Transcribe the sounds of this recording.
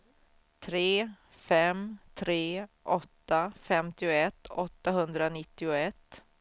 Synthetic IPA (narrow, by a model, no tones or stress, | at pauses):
t̪ʰɾeː | fɛmt̪ʰɾeːʔɔt̪ːafɛmt̪ɪʊɛt̪ːɔt̪ːaɦɵnd̪ɾanɪt̪ːɪʊɛt̪ː